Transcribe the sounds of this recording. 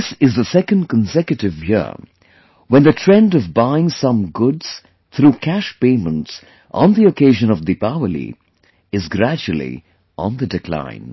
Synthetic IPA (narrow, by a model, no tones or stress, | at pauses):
ðsɨzðəsɛkə̃nd̚kə̃nsɛkjɨɾɨvjɪ̰ | wə̃nðɨtʰɹ̥ɛ̃ndʌvbaɪɪ̃ŋsʌ̃mɡʊdz̥ | θʰɾuːkʰæʃpẽɪmə̃nts | ʔn̩ðiokʰeɪʒɨ̃nʌvd̪ipaəlḭ | ɨzɡɾæd͡ʒul̩ˠḭ | ʔə̰̃nðɨdɨkʰl̥ã̰ɪ̃n